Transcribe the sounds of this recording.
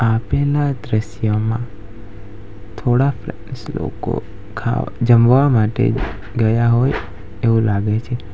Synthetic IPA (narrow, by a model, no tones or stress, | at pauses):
apelad̪ɾəʃjəmã̰ | t̪ʰoɽafɾɛnslo̰ko̰ | kʰa̰d͡ʒəmʋamaʈḛ | ɡəjaɦoj | eʋũlaɡet͡ʃʰe